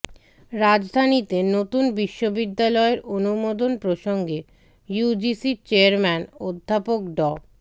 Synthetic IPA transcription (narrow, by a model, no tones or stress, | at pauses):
ɾad͡ʑd̪ʱanit̪enot̪unbiʃːobid̪ːalɔeɾonumod̪onpɾoʃoŋɡe | jud͡ʑisit͡ɕeaɾmɛnod̪ʱːapokɖɔ